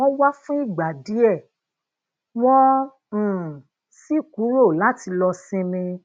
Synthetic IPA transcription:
ɔ̃˦wa˦fũ˦i˦˨ɡ͡ba˨di˨˦ɛ˦˨ | wɔ̃˦˨ | si˦ku˨˦ɾo˦˨la˨˦ti˧lɔ˧sĩ˧mĩ˧

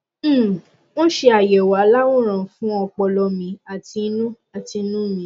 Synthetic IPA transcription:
wɔ̃˦ʃe˧a˨jɛ˨wa˨˦la˦wo˦˨ɾ̃ã˨fũ˦ɔ˧k͡pɔ˧lɔ˧mĩ˧˦a˨ti˧˦nũ˦ | a˨ti˧˦nũ˦mĩ˨˦

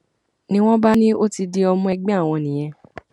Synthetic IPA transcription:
nĩ˦w̃ɔ̃˦ba˦nĩ˦o˦ti˧di˧ɔ˧mũ˦ɛ˧ɡ͡bɛ˦a˦˨w̃ɔ̃˧nĩ˨j̃ɛ̃˧

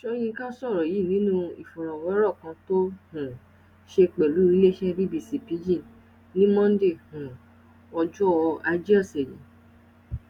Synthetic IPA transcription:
ʃɔ˧j̃ĩ˧ka˦sɔ˦˨ɾɔ˨ji˨˦˨nĩ˨˦nũ˦i˨fɔ˨ɾ̃ã˨wɔ˨˦ɾɔ˦˨kã˧˦to˦hũ˨ | ʃe˧k͡pɛ˨lu˨˦ɾi˦le˦ʃɛ˦ɾi˦bi˦˨si˨pi˨˦d͡ʒĩ˦˨ | nĩ˦mɔ̃˦n̩˦de˦˨hũ˨ | ɔ˧d͡ʒɔ˦˧a˧˦d͡ʒi˦a˦˨sɛ˨jĩ˨˦

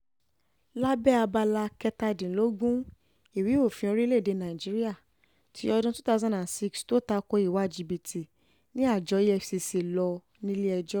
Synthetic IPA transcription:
la˦bɛ˦˨a˧ba˧la˧kɛ˧ta˧dĩ˨lo˦ɡũ˦ | i˦˨wi˨˦o˦˨fĩ˧o˧ɾi˦le˦˨de˨˧nã˨i˨d͡ʒi˨˦ɾi˦a˦˨ | tʰi˨˦ɔ˧dũ˦tu̥˦ta˦˧zã˦na˨nsi˦ksto˦ta˧ko˧˦i˦˨wa˨˦d͡ʒi˧bi˨tʰi˨ | nĩ˦a˦˨d͡ʒɔ˨˧˦i˦ɛ˧˨fsi˧se˧lɔ˧ | nĩ˦li˦ɛ˧d͡ʒɔ˦

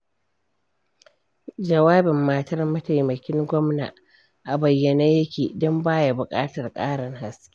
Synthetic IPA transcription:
d͡ʒɐ˨waː˦bɪ˨mːa˨tɐ˦rmɐ˦ta˨jmɐ˨kʲɪ˦ŋɡʷɔ˦mna̰˨ | ʔa˨bɐ˨jːɐ˨naː˦jɐ˦kʲeː˨dɔ˦mbaː˦ja˨bʊ˨kʼaː˦tɐ˨rkʼaː˦ɽɐ˨ŋɦa˨skʲi˦

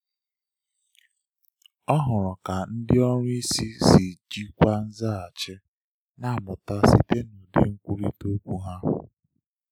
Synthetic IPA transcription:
ɔ˦ɦʊ˨ɾɔ˨ka˨n̩˦dɪ˦ɔ˦ɲʊ˦i˦si˦si˨d͡ʒi˦kʷa˦n̩˦za˦a˨t͡ʃɪ˦ | na˦˨mʊ˨ta˦sḭ˦te˦nu˨dɪ̰˦ŋ̩˦kʷu˦ɾḭ˦to˦kʷu˦ɦa̰˦˨

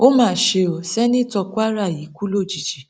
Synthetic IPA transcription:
o˦mãː˦˨ʃe˧o˨sɛ˦nĩ˦tɔ˧kʷa˦ɾa˦˨ji˨˦ku˦lo˦˨d͡ʒi˨d͡ʒi˨˦

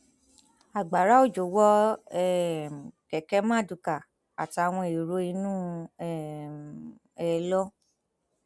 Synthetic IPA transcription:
a˨ɡ͡ba˨ɾa˨˦o˦˨d͡ʒo˨wɔ˦ɛ˦˨kɛ˨kɛ˦mã˦˨du˨˧ka˨ | a˨ti˨˦a˧w̃ɔ̃˧i˨ɾo˦i˧˦nũ˦ɛ˦˨ | ɛ˧lɔ˦

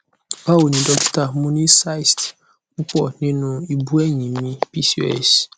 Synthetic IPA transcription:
ba˦wo˨ɲĩ˨dɔ˦kta˨˦mʊ̃˦ni˦sa˦i˨st | pʊ˦pɔ˨nɪ̃˦nʊ̃˨i˨bu˦ɛ˦ɲĩ˨mĩ˦pi˦si˨˦ɛ̰˦˨s

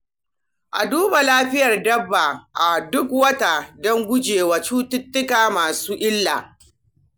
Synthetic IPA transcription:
ʔa˨duː˦ba˨laː˦ɸɪ˦jɐ˨rdɐ˦bːa˨ʔa˨dʊ˦kwɐ˦ta˨dɔ˦ŋɡʷʊ˦d͡ʒeː˨wa˨t͡ʃuː˦tʊ˦tːʊ˦kaː˨maː˨suː˦ʔɪ˦lːaː˨

